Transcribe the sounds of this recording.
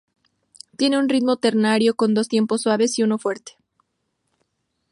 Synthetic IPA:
t̪je̞ne̞unrit̪mo̞t̪e̞ɾnaɾjo̞ko̞nd̪o̞s̬t̪je̞mpo̞sːwaβe̞siuno̞fwe̞ɾt̪e̥

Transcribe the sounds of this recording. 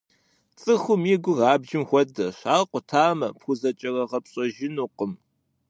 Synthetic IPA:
t͡sʼɨxʷʊmiɡʷʊrɑːbʒɪmxʷɔdɐɕaːqʷʊtʰaːmɐpxʷʊzɐt͡ʃʼɐrɐʁɐpɕʼɔʒɪnuːqəm

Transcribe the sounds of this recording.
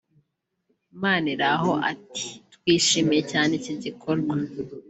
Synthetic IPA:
maːniɾaɦo̞ʔa̰ti̥twiːʃimijecaːneciɟikʰo̞ɾɡwa

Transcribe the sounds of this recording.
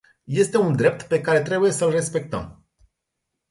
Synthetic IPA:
je̞st̪e̞und̪ɾe̞p̚t̪pe̞kaɾe̞t̪ɾe̞buje̞səlre̞spe̞k̚t̪ə̰m

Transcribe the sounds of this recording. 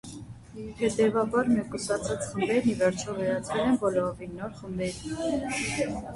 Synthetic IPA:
hɛt̪ɛvɑbɑɾmɛkusɑt͡sʰɑt͡sχəmbɛɾnivɛɾt͡ʃʰɔvɛɾɑt͡sʰvɛlɛnbɔlɔvinɔɾχəmbɛɾ

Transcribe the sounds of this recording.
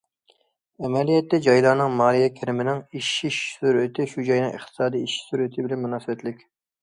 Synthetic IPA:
ɛmɛlijɛt̪ːɛd͡ʒɑjlˠɑːnɨŋmɑːlijɛkʲʰeɾɪmɪnɪŋiʃːiʃsuɾɪt̪ʰɪʃud͡ʒɑjnɨŋɨ̰χt̪ʰɨ̥sɑːd̪iiʃi̥suɾɪt̪ʰɪbɪlɛnmunɑːsɨbɛt̪ʰlɪkʲ

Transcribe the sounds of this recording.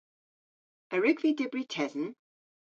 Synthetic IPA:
əɹɪɡvidɪbɹitʰɛðn̩

